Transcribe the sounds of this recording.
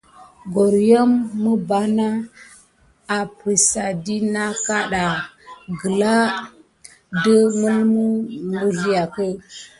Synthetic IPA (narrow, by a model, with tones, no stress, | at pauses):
ɡo˨ɾjo˦mːə˦ba˨˦na˦ | a˨pɾi˨sa˨di˦na˦ka˦ɗa˨ | ɡə˨la˦ | də˦mə˦lmu˦mu˨ɾi˦ja˨kə˦